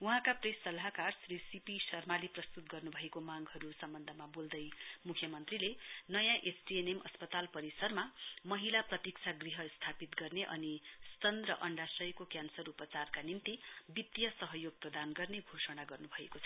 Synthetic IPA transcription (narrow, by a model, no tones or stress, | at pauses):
uɦãkapresʌlɦakarsrisipisʌrmaliprʌst̪ut̪̚ɡʌrnubʱʌekomaŋɡɦʌɾusʌmbʌnd̪ʱʌmabold̪ʌjmukʰjʌmʌnt̪rilenʌjãʔesʰʈienemʔʌspʌt̪alpʌɾisʌrmamʌɦilaprʌt̪ik̚t͡sʰaɡriɦʌst̪ʰapit̪ɡʌrneʔʌ̰nist̪ʌnrʌʔʌɳɖasʌjkokjansʌɾupʌt͡sarkanimt̪ibit̪jʌsʌɦʌjoɡ̚prʌd̪anɡʌrneɡʱosʌɽ̃aɡʌrnubʱʌḛkot͡sʰʌ